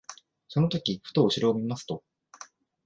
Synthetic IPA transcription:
so̞no̞t̪o̞kʲiɸɯ̟̥t̪o̞ːɕiɾoomʲimasɨ̥t̪o̞

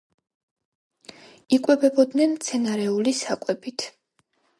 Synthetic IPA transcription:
ikʼwɛbɛbɔd̪nɛnmt̪sʰɛnaɾɛulisakʼwɛbit̪ʰ

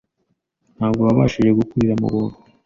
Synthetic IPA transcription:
n̥haːbɡo̞βaβaːʃiʒe̞ɡukuɾiɾamṵβuːndu

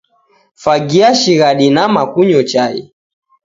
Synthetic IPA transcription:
faɡiaʃiɣaɗinamakuɲɔt͡ʃaḭ

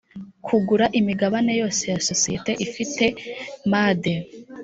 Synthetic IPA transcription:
kʰuɡuɾaʔimiɡaβane̞jo̞ːse̞jaso̞sijete̞ʔifite̞maːd̪e

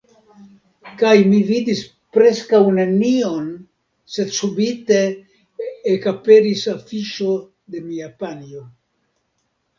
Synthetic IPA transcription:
kajmivid̪is | pɾe̞skawnenio̞n | se̞d̪subite̞ː | kape̞ɾisafiʃo̞ | d̪e̞miapanio

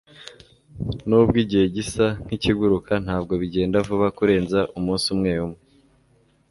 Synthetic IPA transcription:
nubɡiːɟihe̞ɟisaŋ̥hiciɡuɾukʰan̥haːb̚ɡo̞βiɟe̞ːndavuβakuɾe̞ːnzaʔumũːnsumŋe̞ːjumŋe

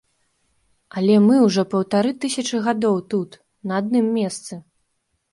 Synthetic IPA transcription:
ɐlʲɛmɨwʐɔpɐwt̪aɾɨt̪ɨsʲɐt͡ʂɨɣad̪ɔwt̪ut̪ | nɐad̪̚nɨmːʲɛst̪sɨ

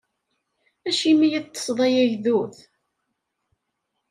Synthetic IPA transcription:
æʃimijəðt̪ːˤə̥sˤðˤɑjæʝðuθ

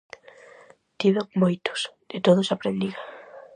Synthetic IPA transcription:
t̪iβemojt̪o̥sd̪̥et̪oðosapɾend̪iɣa

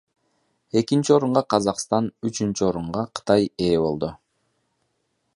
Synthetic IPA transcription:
e̞kint͡ʃio̞ɾuɴʁɑqʰɑzɑqst̪ɑnyt͡ʃynt͡ʃyo̞ɾuɴʁɑqʰɯ̥t̪ɑje̞ːβo̞lˠd̪u

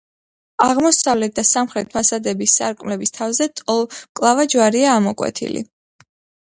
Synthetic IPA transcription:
aʁmɔsavlɛt̪̚d̪̥asamχɾɛt̪̚ʰpʰasad̪ɛbisːa̰ɾkʼmlɛbist̪ʰavzɛt̪ʼɔlˠkʼlˠavad͡ʒwaɾiaːmɔkʼwɛ̰t̪ʰḭlḭ

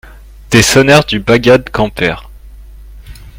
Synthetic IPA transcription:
d̪̥esɔnɛʁd̪ybaɡʲad̪kɑ̃pɛʁ

